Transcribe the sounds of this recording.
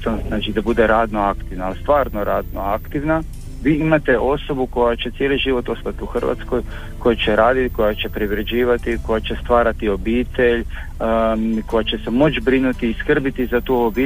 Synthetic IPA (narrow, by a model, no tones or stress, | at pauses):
t̪onaːt͡ʃid̪abud̪eɾaːd̪no̞akt̪iʋnaːlst̪ʋaːɾnoɾaːd̪noakt̪iʋna | ʋiːimat̪e̞ʔo̞so̞buko̞jat͡ʃet̪je̞liʒiʋo̞t̪ost̪at̪iuxr̩ʋa̰t̪sko̞j | ko̞jat͡ʃeɾaːd̪it̪iko̞jat͡ʃe̞pɾiʋɾed͡ʑiːʋat̪iko̞jat͡ʃe̞st̪ʋaːɾat̪io̞biːt̪e̞ʎ | ko̞jat͡ɕe̞semo̞t͡ʃbɾinut̪iːskr̩bit̪izat̪uːoobiː